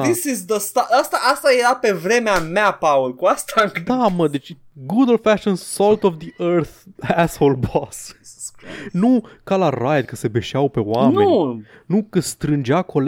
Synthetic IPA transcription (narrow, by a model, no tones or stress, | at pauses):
isizðəst̪aast̪aast̪ajeɾape̞vɾe̞meameapawolkuast̪aŋd̪aməd̪et͡ʃʲ | ɡud̪lfæʃonsolt̪ovd̪iʔəɾθæsholbɔssnukalarajd̪̚kəse̞beʃawpeoamneunukəst̪ɾɨnd͡ʒeako̞l